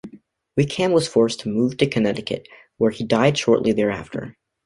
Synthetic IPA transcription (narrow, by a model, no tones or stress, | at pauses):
wɪkʰæ̃mwʌz̥fɔɹstʰəmuv̥tʰɨkʰɨnɛɾɨkɨ̰t̚ | wə˞idaɪd̥ʃɔɹʔˡliðɛɹæ̰ftʰə̰˞